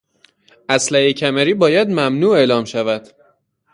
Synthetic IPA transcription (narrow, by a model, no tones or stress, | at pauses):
ʔæslæhecʰæmeɾiːbɒːjæd̪mæmnuːe̞ːʔlɒːmʃævæd̪̥